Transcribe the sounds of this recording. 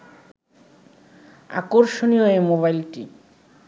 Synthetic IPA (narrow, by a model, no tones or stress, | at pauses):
a̰koɾʃonioemoβajlʈi